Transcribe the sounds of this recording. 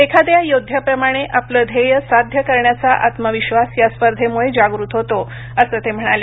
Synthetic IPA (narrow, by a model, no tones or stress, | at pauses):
ekʰad̪jajod̪ʱjapɾəmaɽ̃eʔapləːd̪ʱejəsad̪ʱjəkəɾɳjat͡saʔat̪məʋiɕʋasjaspəɾd̪ʱemuɭed͡ʑaɡɾut̪ɦot̪o | əsəːt̪em̤əɽ̃ale